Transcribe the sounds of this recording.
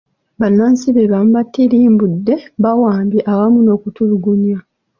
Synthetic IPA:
βanːaːnsiβeβamubatːiɾiːmbudːe̞βawaːmbiʔawamuno̞ːkutuluɡuɲja

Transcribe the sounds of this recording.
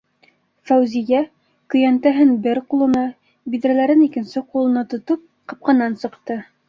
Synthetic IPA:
fæwzijæ | kɵ̆jænt̪æɦɘnbɘɾqulˠɤ̆nɑ | biðɾælæɾɘnikɘ̆nsɘqulˠɤ̆nɑt̪ŏt̪ɤp̚qɑp̚qɑnːɑnsɤ̆qt̪ɤ

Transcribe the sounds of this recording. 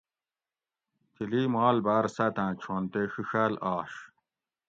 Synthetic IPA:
t̪iliːmaːlbaːɾsɐt̪ãːt͡ɕʰoːnt̪exiɕælaːɕ

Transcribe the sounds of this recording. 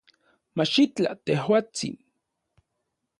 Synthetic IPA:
mat͡ʃit͡ɬa̰t̪ehwaːt͡sḭn

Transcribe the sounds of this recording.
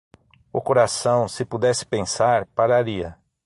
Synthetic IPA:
ʊkoɾasɐ̃w̃sɪpud̪ɛsɪ̥pẽsaɾpaɾaɾiɐ

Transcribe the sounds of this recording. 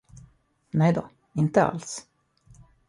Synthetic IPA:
nɛjd̪ɔ | ɪnt̪əa̰ls

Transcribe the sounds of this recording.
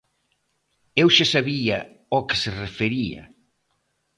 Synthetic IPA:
ewʃasaβiɐ | ɔkɪ̥serefeɾiɐ̰

